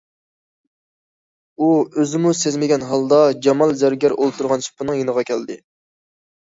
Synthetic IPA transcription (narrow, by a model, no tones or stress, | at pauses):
uøzɪmusezmɪɡʲɛnɦɑlˠd̪ɑd͡ʒɑmɑlˠzæɾɡʲæɾolˠt̪ʰuɾʁɑnsʰu̥pʰːɨnɨŋjenəʁɑkʲʰɛld̪ɪ